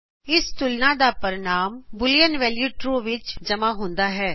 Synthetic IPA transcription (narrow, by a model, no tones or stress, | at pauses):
ɪst̪ʊlnãːd̪aːpəɾɪnaːmbʊlijənʋɛːljuːʈɾoːʋɪt͡ʃd͡ʒəmãːɦʊ̃nd̪aːɦɛː